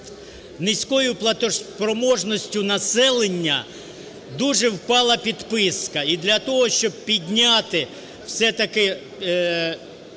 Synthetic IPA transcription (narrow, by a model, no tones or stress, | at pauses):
nɪsʲkɔjʊplˠɐt̪ɔpɾɔmɔʒnɔsʲtʲʊnɐsɛlˠenʲːɐ | d̪uʒɛwpɑlˠɐpʲid̪pɪskɐid̪lʲɐt̪ɔɦɔʃt͡ʃɔb̚pʲidʲnʲat̪ɪ | w̥sɛt̪ɐkɪ